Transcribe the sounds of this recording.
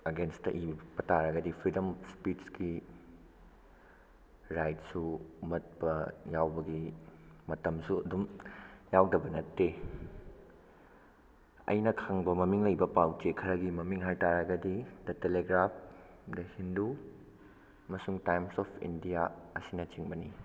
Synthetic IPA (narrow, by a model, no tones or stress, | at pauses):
ɐɡenstɐ̰ʔibɐtaɾɐɡɐdipʰɾidɐmspitsɡi | ɾajt̚sumɐt̚pɐjawbɐɡimɐtɐmsuɐdumjawdɐbɐnɐtːe | ɐ̰jnɐkʰaŋbɐmɐmiŋlɐjbɐpawt͡ʃekʰɐɾɐɡimɐmiŋɦajtaɾɐɡɐdid̥ɐteleɡɾap̚ʰ | dɐhindu | ɐmɐsuŋtajmsɔpʰḭndijaɐsinɐt͡ʃiŋbɐni